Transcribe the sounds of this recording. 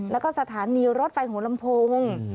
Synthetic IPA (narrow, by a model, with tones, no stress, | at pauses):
lɛː˦˥wkɔː˥˩sa˧t̪ʰaː˩˦niː˧ɾo˦˥t̪̚fa˧jhu˩˦la˧mpʰoː˧ŋ